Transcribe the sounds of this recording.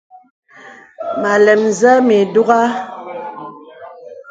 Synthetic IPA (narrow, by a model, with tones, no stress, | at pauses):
ma˨lɛ˨mzɛ˦me˨du˦ɣa˦